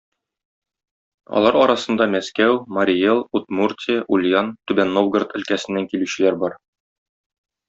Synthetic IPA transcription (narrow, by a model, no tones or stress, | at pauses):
ɒ̰lˠɑɾɒɾɑsɤ̆nd̪ɑmæskæwmɐɾʲelˠut̪murt̪ʲeʔulʲjant̪ʉbænːovɡrt̪ɘ̆lkæsɘ̆nːæŋkilʉɕɘ̆læɾbɒɾ